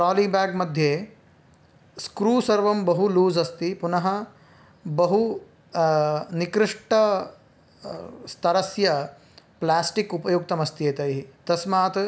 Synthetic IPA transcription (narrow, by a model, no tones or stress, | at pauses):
pɾaːliːbaːɡmɐd̪ʱjeː | skɾuːsɐɾʋɐmbɐɦuluːzɐst̪ipunɐɦɐ | bɐɦu | nikɾɪʂʈɐ | st̪ʰɐɾɐsjɐ | plaːsʈikupɐjuk̚t̪ɐmɐst̪ijet̪ɐjɦit̪ɐsmaːt̪